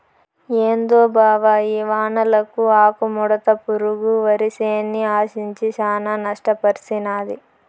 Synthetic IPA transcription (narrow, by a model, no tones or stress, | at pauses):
eːnd̪oːbʱaːʋaːjiːʋaːnɐlɐkuaːkumɔɽɐt̪ɐpuɾuɡuʋɐɾiseːnːiaːʃiɲt͡ʃiʃaːnɐnɐʂʈɐpɐɾsinaːd̪i